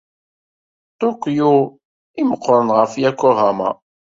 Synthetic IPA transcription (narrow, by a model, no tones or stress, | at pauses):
t̪okːju | iməqːɾənʁəfjækʷːʊʁama̰